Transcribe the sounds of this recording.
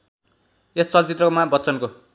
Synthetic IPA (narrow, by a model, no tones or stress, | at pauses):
est͡sʌlt͡sit̪rʌkomabʌt͡sʌnko